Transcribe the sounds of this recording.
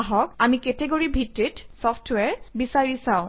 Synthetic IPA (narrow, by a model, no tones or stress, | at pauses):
ɦɔk̚amikɛteɡoɹibʱitɹitsɔfʰtʰwɛɹbisaɹisãʊ̃